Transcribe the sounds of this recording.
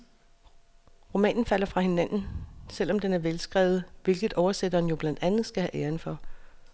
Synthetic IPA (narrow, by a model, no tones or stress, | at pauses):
ʁo̝mɛ̰ːnn̩fæl̰ɐfʁɑ̈he̝næn̰n̩sel̰ɒ̽md̥enæɐʋelsɡ̥ʁɛ̰ʊð̞̩ˠʋe̝lɡ̥ð̩ˠʔɒʊɐsed̥ɐn̩jo̝b̥læn̰d̥ænð̩ˠsɡ̥æhæʔeːɐnfɒ̽